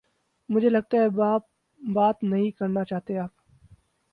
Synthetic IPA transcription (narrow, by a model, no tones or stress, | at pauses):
mʊd͡ʒʱelɐɡ̚t̪aɦɛbaːp̚ | baːt̪nɐɦĩkɐɾnat͡ʃaːɦt̪eɦeaːp̚